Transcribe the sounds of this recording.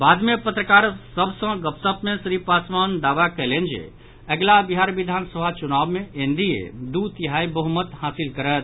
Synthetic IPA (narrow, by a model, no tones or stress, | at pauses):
baːd̪mẽpət̪ɾəkaːɾsəbʱsə̃ɡəpsəpmẽsɾipasmand̪aːʋakəlend͡ʒḛ | əɡlabiɦaɾʋid̪ʱaːnsəbʱat͡ʃunabmẽʔend̪ʱiḛd̪ut̪iɦaibəɦumət̪haːsilkəɾət̪̚